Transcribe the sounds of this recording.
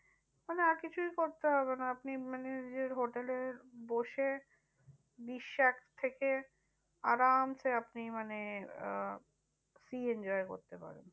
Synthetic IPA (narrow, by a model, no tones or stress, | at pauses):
maneaɾkit͡ɕʰujkoɾt̪eɦɔbenaapnimaned͡ʑeɾɦoʈeleɾboʃe | biʃːakʰt̪ʰeke | aɾamsʰeapnimane | siend͡ʑɔeko̰ɾt̪epa̰ɾḛn